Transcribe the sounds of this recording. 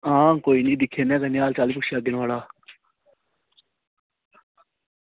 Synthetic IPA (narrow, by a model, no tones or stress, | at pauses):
ɦãːkoːiːnĩːd̪ɪkʰːeːnɛ̃ːkənjaːlt͡ʃaːliːp̬ʊkʃjaːd̪ɪɽ̃ʋaːlaː